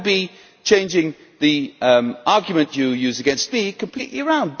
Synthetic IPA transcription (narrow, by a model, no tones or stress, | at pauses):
bi | t͡ʃʰẽɪ̃nd͡ʒɪ̃ŋ | ðiʔɑɹɡjmə̃nʔɨjʉzɨɡɛ̃nst̚b̥ikʰə̃mpʰl̥ḭˑʔliəɹãʊ̃nd̚b